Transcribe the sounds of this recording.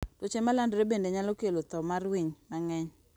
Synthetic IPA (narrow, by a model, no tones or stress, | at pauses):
tot͡ʃemalandɾebendeɲalokelot̪ɔmarwiɲmaŋɛɲ